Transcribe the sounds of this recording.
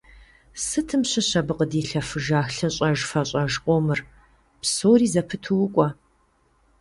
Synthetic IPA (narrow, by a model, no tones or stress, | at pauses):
sɨtʰɨmɕɐɕɐbɨqədiːɬɐfɨʒaːxɬɐɕʼɐʒfɐɕʼɐʒqʷʼɔmɨr | psoːriːzɐpʰɨtʰɨwʊkʷʼɔ